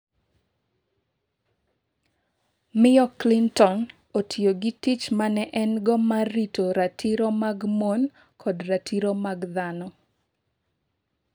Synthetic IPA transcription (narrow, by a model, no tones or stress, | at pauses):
mɪɔklintɔn | otʰioɡitit͡ʃmanɛʔɛnɡɔmaritoɾatʰiɾomaɡmon | kʰɔdratʰiɾomaɡd̪anɔ